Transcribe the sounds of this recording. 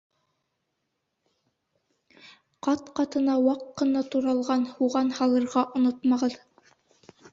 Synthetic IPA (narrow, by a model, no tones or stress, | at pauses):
qɑt̪qɑt̪ɤ̆nɑwɑqːɤ̆nɑt̪uɾɑlˠʁɑnhuʁɑnhɑlˠɤ̆ɾʁɑʔŏnot̪mɑʁɤð